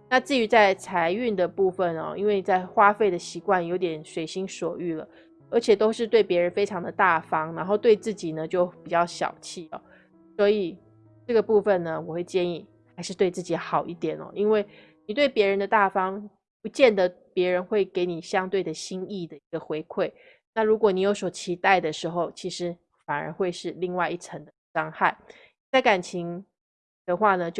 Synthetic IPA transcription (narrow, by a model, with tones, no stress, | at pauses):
na˥˧t͡sɹ̩˥˩y˧˥t͡sa˥˩ɪt͡sʰa˧˥ɪy˥˩nd̪ə˩pu˥˩fə˨˩nɔ̰˨˩i˥nwe˥˩ɪi˨˩t͡sa˥˩ɪxwa˥fe˥˩ɪd̪ə˩ɕi˧˥kwa˥˩njo˧˥ʊt̪̬jɛ˨˩nʂwe˨˩ɪɕi˥ŋʂwɔ˨˩y˥˩lə̰˩ | ə˞˧˥t͡ɕʰjɛ˨˩t̪o˥ʊʂɻ̩˥˧t̪we˥˩ɪpjɛ˧˥ɻə˧˥nfe˥ɪʈ͡ʂʰɑ˧˥ŋd̪ə˧t̪a˥˩fɑ˥ŋna˧˥nxo˥˧ʊt̪we˥˧ɪt͡sɹ̩˥˩t͡ɕi˨˩nə˦t͡ɕjo˥˩ʊpi˨˩t͡ɕjɑ˥˩ʊɕjɑ̰˨˩ʊt͡ɕʰi˥˩ɔ̰˨˦ | swɔ˧˥i˨˩ | ʈ͡ʂɤ˥˩ɡə˩pu˥˩fə˨nnə˩wɔ˨˩xwe˥˧ɪt͡ɕjɛ˥˧ni˥˩ | xa˧˥ɪʂɻ̩˥˧t̪we˥˧ɪt͡sɹ̩˥˩t͡ɕi˨˥xɑ˨˩ʊʔi˥˩t̪jɛ˨˩nɔ̰˨˦i˥nwe˥˩ɪ | ni˨˩t̪we˥˩ɪpjɛ˧˥ɻə˧˦nd̪ə˧t̪a˥˩fɑ˥ŋ | pu˧˦t͡ɕjɛ˥˩nd̪ə˩˦pjɛ˧˥ɻə˧˥nxwe˥˩ɪke˧˥ɪni˨˩ɕjɑ˥ŋt̪we˥˩ɪd̪ə˩ɕi˥ŋi˥˩d̪ə˩i˧˥ɡə˧˨xwe˧˥ɪkʰwe˥˩ɪ | na˥˩ɻu˧˥kwɔ˨˩ni˨˩jo˧˥ʊso˨˩ʊt͡ɕʰi˧˥t̪a˥˩ɪd̪ə˩ʂɻ̩˧˥xo˥˧ʊt͡ɕʰi˧˥ʂɻ̩˧˥ | fa˨˩nə̰˧˥xwe˥˧ɪʂɻ̩˥˧li˥˧ŋwa˥˧ɪi˥˩ʈ͡ʂʰə˧˥ŋd̪ə˧ʂɑ˥ŋxa˥˩ɪ | i˨˩t͡sa˥˩ɪka˨˩nt͡ɕʰi˧˥ŋ | d̪̥ə˨xwa˥˩nə˩t͡ɕo˥